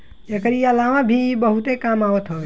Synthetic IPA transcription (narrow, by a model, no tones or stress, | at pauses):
ekəɾiəlamãbʱibəɦut̪ekamaʋət̪ɦoj